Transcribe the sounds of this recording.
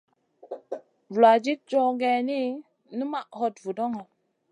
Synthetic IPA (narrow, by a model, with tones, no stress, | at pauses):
vu˨la˨d͡ʒi˦t̚t͡ʃo˦ɡe˨ni˦ | nu˦ma˦ʔho˦tvu˨do˦ŋo˨